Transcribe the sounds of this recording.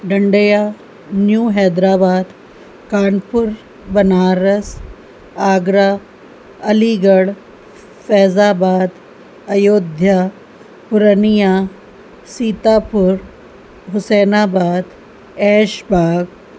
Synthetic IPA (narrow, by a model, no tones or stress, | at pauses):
ɖɐɳɖəjaː | njuːɦɛːd̪ɾaːbaːd̪ | kaːnpʊɾ | bɐnaːɾɐs | aːɡɾaː | ɐliːɡɐɽ | fɛːzaːbaːd̪ | ɐjoːd̪ʱjaː | pʊɾənijaː | siːt̪aːpʊɾ | ɦʊseːnaːbaːd̪ | ɛːʃbaːɡ